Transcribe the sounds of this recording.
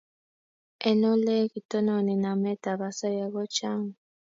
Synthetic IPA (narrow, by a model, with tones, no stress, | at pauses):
ɛ˨nɔ˦lɛ˦ɣi˨tɔ˦na˨ni˨na˨mɛ˦ta˨βa˨sa˦ja˨ɣɔ˦t͡ʃa˦ŋ˨